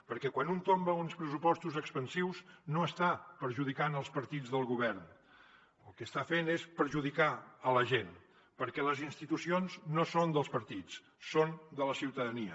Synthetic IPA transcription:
pəɾkɛkwanunt̪ombəunspɾəsupɔst̪uzəkspənsiwznoəst̪apəɾʒuð̞ikanəlˠspəɾt̪id͡zðəlˠɣuβɛɾn | ə̰lˠkəːst̪afenespəɾʒuðikaələʒen | pəɾkɛləzinst̪it̪usionznosond̪əlˠspəɾt̪it͡s | sond̪ələsiwt̪əðəniə

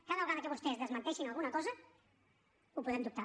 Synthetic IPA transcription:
kaðalɣanəkəβust̪ɛzðəzmənt̪ɛʃinalˠɣunəkɔzə | upuðɛmd̪up̚t̪a

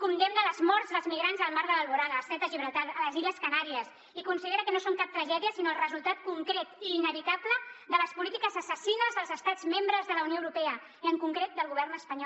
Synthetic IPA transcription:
kund̪emnələzmɔɾtzðəlˠzmiɣɾanzðəlˠmaɾðəəlβuɾaðəsɛt̪əʒiβɾət̪alələziləskənaɾiəs | ikunsiðeɾəkənosoŋkap̚t̪ɾəʒɛðiəsinoəlˠrəzulˠt̪at̪kuŋkɾet̪iːnəβit̪abləd̪ələspulit̪ikəzəsəsinəzðəlˠzəst̪ad͡zmembɾəzðələunioəwɾupɛə | iəŋkuŋkɾet̪̚d̪əlˠɣuβɛrnəspəɲɔ

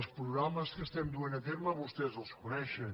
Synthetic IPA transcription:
spɾuɣɾaməskəst̪ɛmd̪uenət̪eɾməβust̪ɛzəlˠskunɛʃən

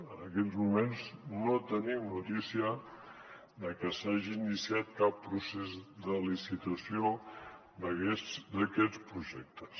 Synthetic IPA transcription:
ənəkɛʎzmumenznot̪ənimnut̪isiə | ðəkəsaʒiːnisiat̪̚kapːɾusezd̪əlisit̪əsio | d̪əɣɛd̪əkɛt͡spɾuʒɛk̚t̪əs

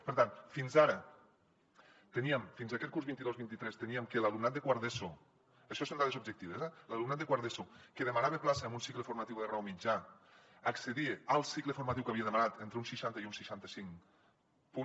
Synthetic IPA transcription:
pəɾt̪anfinzaɾə | t̪eniəmfinzakɛt̪̚kuɾzβint̪iðozβint̪it̪ɾɛst̪eniəmkelalumnat̪̚d̪ekwaɾðeso | əʃɔsond̪aðezub̚d͡ʒek̚t̪iβezɛlalumnat̪̚d̪ekwaɾðesokeðemanaβeplaseambunsikləfuɾmat̪iwðerawmid͡ʒa | akseðiealˠsikləfuɾmat̪iwkaβieðemanat̪ent̪ɾeunsiʃant̪əiunsiʃant̪əsiŋ | pu

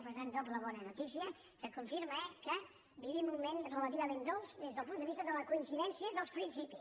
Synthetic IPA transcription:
pəɾt̪ant̪opləβɔnənut̪is̬iə | kəkuɱfiɾməɛkə | biβimumenrələt̪iβəmẽnd̪olˠzd̪ezðəlˠpund̪əβist̪əðələkuinsiðɛnsiəðəlˠspɾinsipi

